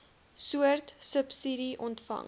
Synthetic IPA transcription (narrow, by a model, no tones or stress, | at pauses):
suərtsəpsidiʔɔntfɐ̰ŋ